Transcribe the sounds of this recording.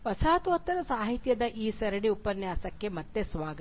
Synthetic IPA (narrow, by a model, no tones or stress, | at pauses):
ʋɐsaːt̪ʋɐt̪ːɐɾɐsaːɦit̪jɐd̪ɐʔiːsɐɾɐɽiupɐnjɐɐsɐkːemɐt̪ːesʋaːɡə